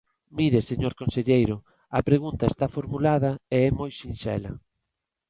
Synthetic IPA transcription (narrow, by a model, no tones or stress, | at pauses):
miɾeseɲoɾkonseʎejɾʊ | ɐpɾeɣunt̪ɐest̪afoɾmulaðɐeɛmojʃinʃɛ̰lɐ̰